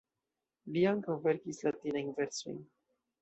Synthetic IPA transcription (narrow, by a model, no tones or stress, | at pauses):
liaŋkavɛɾkislat̪inajŋvɛɾt͡sṵjn